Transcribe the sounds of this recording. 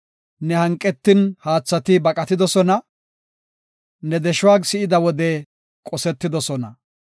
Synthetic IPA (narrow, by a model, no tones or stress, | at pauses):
nɛhɐŋkʼːɛt̪ːɪnhaːt͡sːɐt̪ɪbɐkʼɐt̪ɪd̪ɔsɔnɐ | nɛd̪ɛʃʊwaːɡsɪʔɪd̪ɐwɔd̪ɛ | kʼɔsɛt̪ːɪd̪ɔsɔnɐ